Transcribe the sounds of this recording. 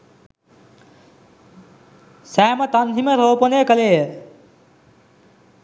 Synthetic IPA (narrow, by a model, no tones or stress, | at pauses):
sæːmɐt̪ɐnʱimɐɾoːponeːkɐleː